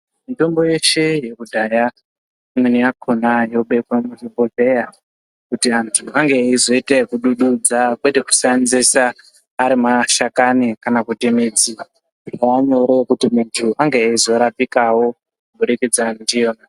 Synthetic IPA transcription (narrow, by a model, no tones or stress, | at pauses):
mito̞mbo̞je̞ʃe̞je̞kudʱaja | mweniakʰonajo̞ɓekwamutiboɮe̞ja | kutiantʰuʔaŋɡe̞izo̞itekuɗuɗud͡zakweteku̥sanzesaː | ɾimaʃakanikanakutemed͡zi | aaɲoɾekutimuntʰuʔaŋɡeizo̞ɾapikawo̞ | kubuɾikid͡zandijoːna